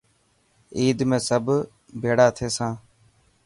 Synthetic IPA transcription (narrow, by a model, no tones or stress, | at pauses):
iːd̪mẽːsəbʱ | bʱeːɽaːt̪ʰeːsãː